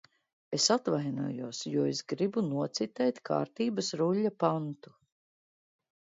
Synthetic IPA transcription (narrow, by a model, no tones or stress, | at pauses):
esat̪vajnṵɔjuɔsjuɔesɡɾibunuɔt̪sit̪ɛjt̪kʰa̰ːɾt̪iːbɐsɾuʎʲːapant̪u̥